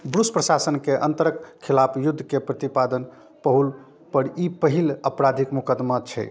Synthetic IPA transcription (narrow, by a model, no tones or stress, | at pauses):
bɾuspɾəsasənkeʔə̰nt̪əɾəkʰːilapʰjud̪ʱːkepɾət̪ipad̪ən | pəɦul | pəɾipəɦiləpɾad̪ʱikmukəd̪mat͡ʃʰɛ̰